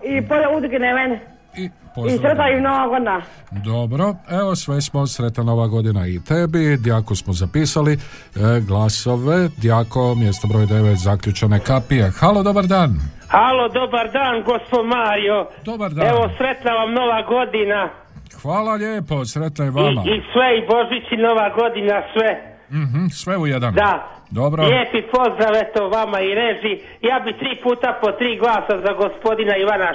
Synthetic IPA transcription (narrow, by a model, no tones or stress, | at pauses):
ipoʎaud̪ɡnemen | i | pozisɾet̪naimnoʋaɡona | d̪o̞bɾo̞e̞ʋo̞sʋesmo̞sɾe̞t̪nano̞ʋaɡo̞d̪inait̪ebid̪jakosmozapiːsali | ɡlaso̞ʋe̞d̪jako̞mjest̪obɾo̞ːjd̪e̞ʋet̪zakʎʲut͡ʃanekapijexalˠo̞d̪o̞baɾd̪aːn | halod̪obaɾd̪aːnɡospod̪maːɾijod̪obaɾd̪aeʋo̞sɾe̞t̪naʋamno̞ʋaɡo̞d̪ina | xʋaːlaʎeːposɾe̞t̪najeʋamaisʋeibo̞ʒit͡ɕino̞ʋaɡo̞d̪inasʋe | m̩ɦ̩sʋe̞ujed̪and̪a | d̪obɾoʎjeːpipo̞zd̪ɾaʋet̪oʋamaiɾeʒi | jaːbit̪ɾiːpuːt̪apot̪ɾiːɡlˠaːsazaɡospo̞d̪inaiʋana